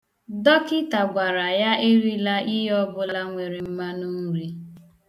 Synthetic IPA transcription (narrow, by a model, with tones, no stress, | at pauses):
dɔ˦kɪ˦ta˨ɡʷa˨ɾa˨ja˦e˦ɾi˦la˦ʔi˦jɔ˦bʊ˦la˦ŋʷe˨ɾe˨m̩˦ma˦nu˦ɾi˦